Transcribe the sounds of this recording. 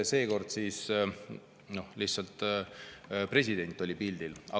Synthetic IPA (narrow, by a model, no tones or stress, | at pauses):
se̞ːko̞rd̪̥siːs | no̞lihtsɑlt̪ˑ | pre̞s̬ʲid̪̥e̞nʲt̪ːˑo̞lʲipild̪̥ilɑ